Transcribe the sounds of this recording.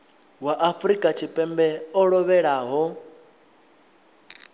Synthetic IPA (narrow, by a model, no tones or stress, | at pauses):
waʔafuɾikʼat͡ʃʰipʼɛmbɛɔɺɔβɛɺaːɦɔ